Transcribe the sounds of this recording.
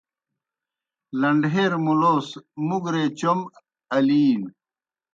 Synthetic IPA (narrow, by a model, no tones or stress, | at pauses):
lɐɳɖɦeːɾmuloːsmuɡɾeːt͡ɕom | ɐliːn